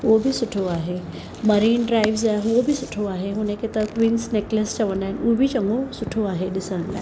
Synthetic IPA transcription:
ʋobʱisʊʈʰoaːɦe | mɐɾiːnɖɾaːɪʋzaobʱisʊʈʰoaːɦeɦʊnẽket̪ɐkʋiːnsneːkləst͡ʃɐʋə̃nd̪aːɦɪnubʱit͡ʃɐ̃ŋɡosʊʈʰoaːɦeɗɪsəɽə̃nd̪a̰ː

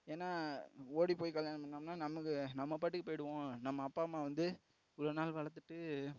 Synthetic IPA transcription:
eːnːaːoːɽipoːjkɐljaːnɐmɐnːaːmnaːnɐmɐkːɯnɐmːɐp̬aːʈːɯkːɯpoːjɪɽɯʋõːnɐmːɐːpːaːmaːʋɐnd̪ɯ | ʊlɐnaːlʋɐɭɐt̪ːɯʈːɯ

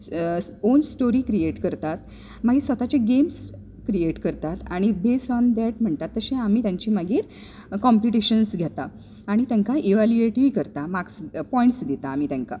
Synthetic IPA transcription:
onsʈoɾiːkɾieʈkəɾt̪at̪ | maɡiːɾsʋət̪at͡ɕeɡems | kɾieʈkəɾt̪at̪aɽ̃ibesɔnd̪ɛʈm̤əɳt̪at̪ːəɕẽamiːt̪jãɲt͡ɕiːmaɡiːɾ | kɔ̃mpiʈiɕənsɡʱat̪a | aɽ̃it̪jãŋkaʔiʋalueʈikəɾt̪amakspɔiɳʈsd̪it̪aːm̤it̪jãŋka̰

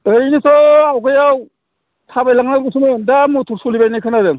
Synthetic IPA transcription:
ɯjnisɔawɡʰɯjaw | tʰabajlaŋnaɡusumɯndamutʰuɾsulibaɾnikʰɯnadɯŋ

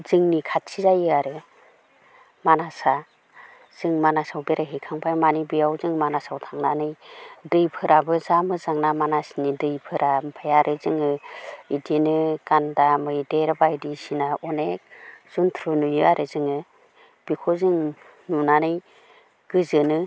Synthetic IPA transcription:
zɯŋnikʰatsizajɯaɾɯ | manasa | z̥ɯŋmanasawbeɾaɦikʰaŋpʰajmanibijawzɯŋmanasawtʰaŋnanɯjdɯjpʰɯɾabɯzamɯzaŋnamanasnidɯjpʰɯɾʔampʰajaɾʔɯzɯŋɯidinɯɡ̥andamɯjdeɾbaidisinaɔnek̚z̥untʰɾunujɯaɾʔɯzɯŋɯ | b̥ikʰɔzɯŋ | nunanɯj | ɡ̥ɯzɯnɯ

